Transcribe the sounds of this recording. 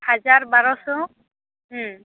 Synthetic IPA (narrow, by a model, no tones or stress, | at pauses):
hazaɹbaɹɔsɔ